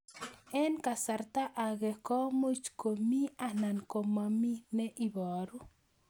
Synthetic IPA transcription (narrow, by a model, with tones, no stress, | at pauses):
ɛ˦nka˨sa˨rt̪a˦ʔa˨ɡɛ˨kɔ˦mo˦t͡ʃko˨mi˦a˨na˨nko˨ma˨mi˦nɛ˦ʔi˦bɔː˨ɾu˦